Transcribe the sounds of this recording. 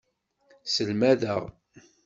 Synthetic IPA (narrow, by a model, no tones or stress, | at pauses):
səlmæðəʁ